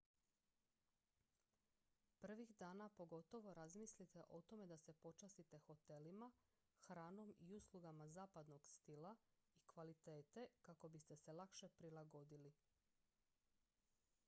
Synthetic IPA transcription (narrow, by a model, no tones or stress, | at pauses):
pr̩ʋixd̪aːnapo̞ɡo̞t̪o̞ʋo̞ɾazmislit̪e̞ʔo̞t̪o̞me̞d̪ase̞po̞t͡ʃast̪it̪e̞xo̞t̪e̞lima | xɾaːno̞miuslˠuɡamazaːpad̪no̞ɡst̪ilˠaikʋalit̪e̞ːt̪e̞kako̞bist̪e̞se̞lakʃe̞pɾilˠaɡo̞d̪ili